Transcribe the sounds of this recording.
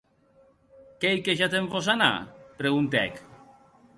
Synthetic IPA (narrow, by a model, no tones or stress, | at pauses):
kejkeʒat̪eɱfosana̰pɾeɣunt̪ɛ̰k